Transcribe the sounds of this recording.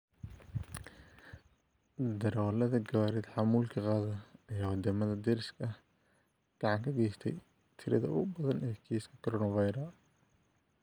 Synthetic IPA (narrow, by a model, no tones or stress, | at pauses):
d̪ɐɾɔːlɐðɐɡɐwaːɾɛd̪ħɑmuːlkʰɐqɑːðɐɐjaːwɐd̪ɐmɐðɐd̪ɛɾɪskɐh | ɡ̥ɑʕɑŋkʰɐɡɛːjst̪ʰɛj | t̪ʰɪɾɐðɐ̰ʊʊbɐðɐnɛːkʰiːskʰɐ̥kʰɔɾɔːnɐvɑjɾɐ